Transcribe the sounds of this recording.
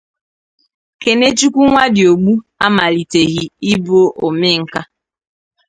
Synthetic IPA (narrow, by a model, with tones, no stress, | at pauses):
ke˨ne˦t͡ʃu˦kʷu˦ŋʷa˦dɪ˨o˨ɡ͡bu˦a˦ma˨li˨te˨ɣi˦i˦bo˦ʔo˨mɪ˦ŋ̩˦ka˦